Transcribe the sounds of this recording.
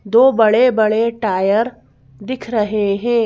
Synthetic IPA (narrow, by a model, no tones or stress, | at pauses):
d̪oːbɐɽebɐɽeʈaːjəɾ | d̪ɪkʰɾɐɦeɦɛ̃ː